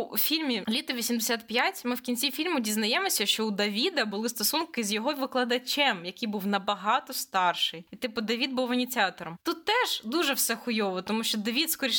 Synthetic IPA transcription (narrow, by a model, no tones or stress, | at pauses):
ufʲilʲmʲilʲit̪ɔʋʲisʲimd̪esʲat̪pʲjatʲmɪwkʲinʲt͡sʲifʲilʲmʊdʲiznɐjɛmɔsʲɐʃt͡ʃɔud̪ɐʋʲid̪ɐbʊlˠɪst̪ɔsunkɪzʲjɔɦɔjʋɪklˠɐd̪ɐt͡ʃɛmjɐkɪjbuwnɐbɐɦɑt̪ɔst̪ɑrʃɪjit̪ɪpʊd̪ɐʋʲid̪̚buwɐnʲit͡sʲiɑt̪ɔɾɔmt̪ut̪ːɛʒ̥d̪uʒɛwsɛxʊjɔʋɔt̪ɔmuʃt͡ʃɔd̪ɐʋʲit̪skɔɾʲi